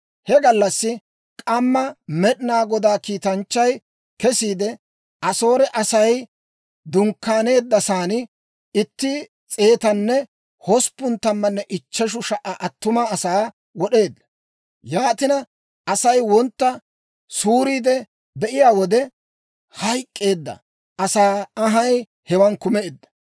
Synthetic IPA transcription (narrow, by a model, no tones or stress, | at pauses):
hɛɡɐlːɐsːɪ | kʼɐmːɐmɛɗɪnaːɡɔd̪aːkiːt̪ɐnt͡ʃːɐj | kɛsiːd̪ɛ | ʔɐso̞ːɾɛʔɐsɐj | d̪ʊŋkːaːne̞ːd̪ːɐsaːnɪ | ɪt̪ːɪ | t͡sʼe̞ːt̪ɐnːɛ | hɔspːʊnt̪ɐmːɐnːɛʔɪt͡ʃːɛʃ̬ʊʃɐʔɐʔɐt̪ːʊmaːsaː | wɔɗe̞ːd̪ːɐ̥ | jaːt̪ɪnɐ | ɐsɐjwɔnt̪ːɐ | suːɾiːd̪ɛ | bɛʔɪjaːwɔd̪ɛ | hɐjkʼːe̞ːd̪ːɐ̰ | ʔɐsaːɐɦɐj | hɛwɐnkʊmeːd̪ːɐ̥